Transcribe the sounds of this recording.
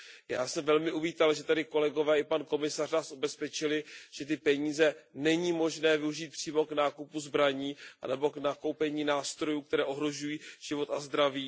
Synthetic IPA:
ja̰ːsɛmvɛlmɪʔuviːt̪alʒɛt̪adɪko̞lɛɡo̞vɛːɪpanko̞mɪsarnaːsʔubɛspɛt͡ʃɪlɪʒ̥ɛt̪ɪpɛɲiːzɛnɛɲiːmo̞ʒnɛːvɪuʒiːt̪̚pr̝̥iːmo̞knaːkupuzbɾaɲiːʔa̰nɛbo̞knakowpɛɲiːnaːst̪ɾo̞juːk̚t̪ɛɾɛːʔo̞ɦɾo̞ʒujiːʒ̥ɪvo̞t̪azd̪ɾaviː

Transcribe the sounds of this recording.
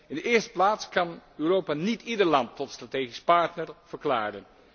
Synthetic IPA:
ɪndəʔɪːɹstə̥plaːtskɑnøːrowpaːnitidəɹlɑntːɔtstrateːχispɑɹtnəɹv̥əɹkla̰ːɾən

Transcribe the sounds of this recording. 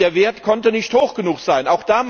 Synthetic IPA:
eːɐveːɐtkʰɔntənɪçthoːxɡ̥ənuːxz̥aɪnaʊxd̥aːm

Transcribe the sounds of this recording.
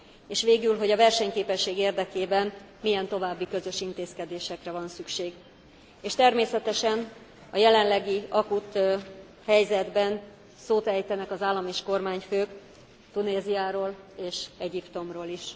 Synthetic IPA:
eːʃʋeːɡylɦo̞ɟɒvɛrʃɛɲkeːpɛʃːeːɡeːrd̪ɛkeːbɛm | mijɛnt̪o̞vaːbːikø̞zø̞ʃint̪eːskɛd̪eːʃɛkrɛvɒnsykʃeːɡ | eːʃt̪ɛrmeːsɛt̪ɛʃɛn | ɒjɛlɛnlɛɡiɒkut̪ | hɛjzɛd̪bɛn | soːt̪ɛjt̪ɛnɛkɒzaːlːɒmeːʃko̞rmaːɲføːk | t̪uneːzijaːɾoːleːʃɛɟipt̪o̞mroːliʃ

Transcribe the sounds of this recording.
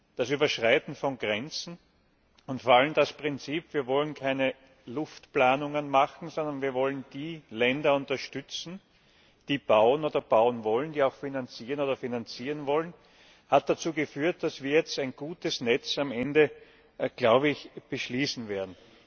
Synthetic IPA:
d̥asyːbɐʃʁaɪtn̩fɔnɡʁɛnt͡sn̩ | ʊntfoɐaləmd̥aspʁɪnt͡siːpviːɐvɔlənkʰaɪnə | lʊftplaːnʊŋənmaχn̩zɔndɐnviːɐvɔlənd̥iːlɛndɐʊntɐʃtʏt͡sn̩ | d̥iːb̥aʊənoːdɐb̥aʊənvɔlənd̥iːaʊxfinant͡siːʁənoːdɐfinant͡siːʁənvɔlən | hat̚d̥at͡suːɡəfyːɐt̚d̥asv̥iːɐjɛt͡stæɪnɡ̥uːtəsnɛt͡samɛndə | ɡ̥laʊbəɪçb̥əʃliːsn̩veːɐdn̩

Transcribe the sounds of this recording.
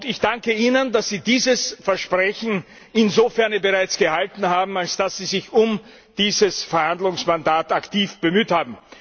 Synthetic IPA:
ʊdɪçd̥aŋkəiːnəndasz̥iːdiːzəsfɛɐʃpʁ̥ɛçn̩ | ɪnzofɛɐnəbəʁaɪt͡sɡ̥əhaltn̩haːbm̩alsd̥asz̥iːzɪçʊm | d̥iːzəsfɛɐhandlʊŋsmandaːtaktiːfb̥əmyːthaːbm̩

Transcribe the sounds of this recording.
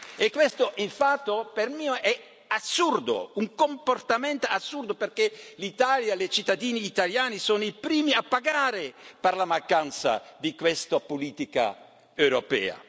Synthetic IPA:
ekːwest̪oʔiɱfat̪ːopermiːoʔɛ | asːurd̪o̰uŋkomport̪amɛnt̪oasːurd̪operkelit̪aːljalet͡ʃit̪ːad̪iːniːt̪aljaːnisoːnoipɾiːmiapːaɡaːɾeperlamaŋkant̪sa̰d̪ikwest̪apoliːt̪ika̰ | ewɾopɛ̰ːa̰

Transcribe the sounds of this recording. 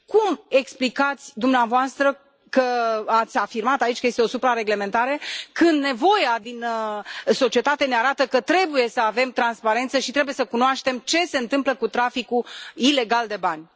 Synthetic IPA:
kume̞ksplikat̪sʲd̪umneavoast̪ɾə | kəat̪sʲafirmat̪ait͡ʃkəjest̪eo̞supɾaɾe̞ɡle̞me̞nt̪aɾe̞kɨnd̪ne̞vo̞jad̪inəso̞t͡ʃie̞t̪at̪eneaɾat̪əkət̪ɾe̞buje̞səave̞mt̪ɾanspaɾe̞nt̪səʃit̪ɾe̞buje̞səkunoaʃt̪e̞mt͡ʃe̞se̞ɨnt̪ɨmpləkut̪ɾafikuile̞ɡald̪e̞banʲ

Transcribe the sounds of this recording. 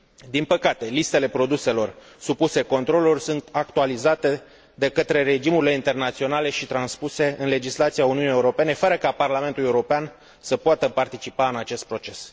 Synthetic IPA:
d̪inpəkat̪e̞list̪e̞le̞pɾo̞d̪use̞lo̞r | supuse̞ko̞nt̪ɾo̞lurʲsunt̪ak̚t̪ualizat̪e̞ | d̪e̞kət̪ɾe̞ɾe̞d͡ʒimuɾileint̪e̞rnat̪sio̞nale̞ʃit̪ɾanspuse̞ɨnle̞d͡ʒislat̪siauniuunijeuɾo̞pe̞ne̞fəɾəkaparlame̞nt̪ulje̞uɾo̞pean | səpoat̪əpart̪it͡ʃipaɨnat͡ʃe̞st̪̚pɾo̞t͡ʃe̞s

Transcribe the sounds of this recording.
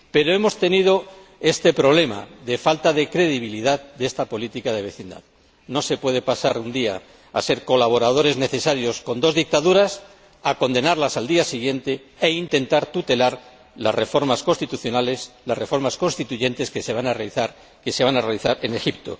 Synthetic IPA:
pe̞ɾo̞e̞mo̞st̪e̞nið̞o̞ | e̞st̪e̞pɾo̞β̞le̞ma̰ðe̞falt̪aðe̞kɾe̞ðiβ̞iliðaðd̪est̪apo̞lit̪ikaðe̞β̞e̞θind̪a̰ð | no̞se̞pwe̞ð̞e̞pasaɾund̪ia̰ː | se̞ɾko̞laβ̞o̞ɾað̞o̞ɾe̞zne̞θe̞saɾjo̞sko̞nd̪o̞zðik̚t̪aðuɾas | ako̞nd̪e̞naɾlasald̪iasiɣ̞je̞nt̪e̞ | eint̪e̞nt̪aɾt̪ut̪e̞laɾ | lasre̞fo̞ɾmasko̞nst̪it̪uθjonaleslasre̞fo̞ɾmasko̞nst̪it̪uʝe̞nt̪e̞ske̞se̞βanarealiθaɾ | kese̞βanarealiθaɾe̞ne̞xipt̪o̞̰

